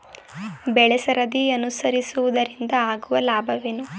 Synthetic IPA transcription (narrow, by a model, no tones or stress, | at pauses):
bɛɭɛsɐɾɐd̪iɐnusɐɾisuʋud̪ɐɾind̪ɐaːɡuʋɐlaːbʱɐʋenu